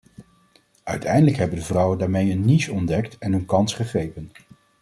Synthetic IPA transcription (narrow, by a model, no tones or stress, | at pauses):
œɥtʰɛjndələkɦɛbəndəvrʌwəndaːɹmejənːisɔndɛktɛnənkɑnsχəχrejpən